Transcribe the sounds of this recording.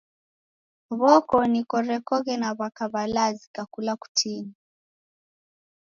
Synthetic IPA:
βɔkɔnikɔɾɛkɔɣɛnaβakaβalazikakulaku̥tʰini

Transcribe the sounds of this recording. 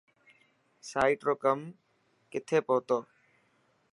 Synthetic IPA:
saːiʈɾoːkəm | kɪt̪ʰeːpoːt̪oː

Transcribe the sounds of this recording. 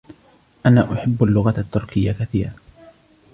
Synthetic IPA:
ʔanaːʔʊħɪbːalːʊɣaat̪ːʊɾkɪjːakaθiːɾa

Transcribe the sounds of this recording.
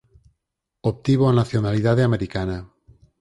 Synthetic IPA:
op̚t̪iβoanaθjonaliðaðeameɾikana

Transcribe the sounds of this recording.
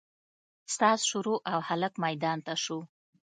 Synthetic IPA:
st̪ɑsʃuɾoʔawhaləkmajd̪ɑnt̪aʃu

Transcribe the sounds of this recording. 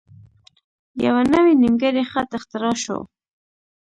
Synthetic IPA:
ja̰wanəwenimɡəɾexat̪ɪxt̪ɪɾɑʃo̰

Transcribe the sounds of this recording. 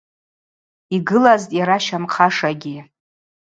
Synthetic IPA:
iɡɨlaztʼjaɾaʃamqʰaʂaɡʲi

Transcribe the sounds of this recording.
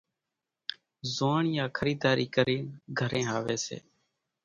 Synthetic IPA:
zoːɳjãːkʰəɾiːd̪aːɾʔiːkəɾiːnɡʱəɾẽːɦaːʋeːsḛː

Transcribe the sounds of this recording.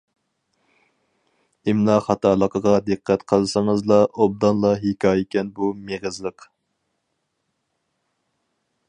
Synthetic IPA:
ɪmnɑχɑt̪ʰɑːlˠəqʰəʁɑd̪ɨqʰːæt̪qʰəlˠsɨŋəzlˠɑʔob̚d̪ɑnlˠɑɦekʰʲɑːjikʲɛnbumeʁəzlˠəq

